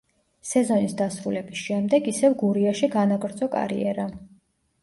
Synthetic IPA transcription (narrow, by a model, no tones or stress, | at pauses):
sɛzɔnisd̪asɾulɛbisʃɛmd̪ɛɡisɛvɡuɾiaʃiɡanaɡɾd̪zɔkʼa̰ɾḭɛɾa